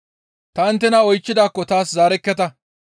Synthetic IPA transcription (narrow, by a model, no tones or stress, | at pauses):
t̪ɐɐnt̪ːɛnɐɔjt͡ʃːɪd̪aːkːɔt̪aːszaːɾɛkːɛt̪ɐ